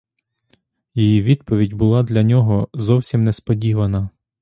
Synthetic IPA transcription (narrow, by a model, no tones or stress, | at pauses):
jijiʋʲid̪pɔʋʲidʲbʊlˠɑd̪lʲɐnʲɔɦɔzɔwsʲimnɛspɔdʲiʋɐnɐ